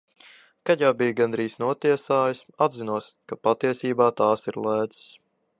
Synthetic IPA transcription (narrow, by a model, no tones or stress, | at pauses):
kaɟawbiːjɡand̪ɾiːsnuɔt̪iɛsaːjisad̪zinuɔs | kapat̪iɛsiːbaːt̪aːsiɾlˠæːd̪z̥s